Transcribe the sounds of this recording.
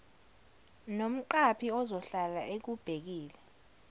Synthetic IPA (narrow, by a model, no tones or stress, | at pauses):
nom̩ǃapʰiɔzɔɬalaʔek̬ub̥ʱek̬iːlɛ